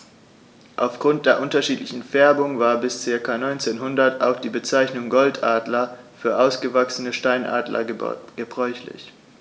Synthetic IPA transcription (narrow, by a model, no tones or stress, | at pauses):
ʔaʊfɡ̥ʁʊnt̚d̥eːɐʔʊntɐʃiːtlɪçn̩fɛɐbʊŋvaːɐbɪst͡seːɐkʰaːnɔʏnt͡seːnɦʊndɐtaʊxd̥iːbət͡saɪçnʊŋɡɔltʰʔaːdlɐ | fyːɐʔaʊsɡ̥əvaksənəʃtaɪnʔa̰ːdlɐ̰ɡ̥əbʁɔʏçlɪ̰ç